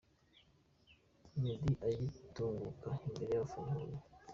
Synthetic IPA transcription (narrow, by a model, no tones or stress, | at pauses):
midiʔajituːŋɡukaimbeɾejafuːŋɡuɾo